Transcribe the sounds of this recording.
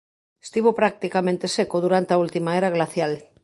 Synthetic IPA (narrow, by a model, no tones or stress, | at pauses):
est̪iβopɾak̚t̪ikamẽnt̪esekoðuɾant̪eault̪imaeɾaɣlaθjal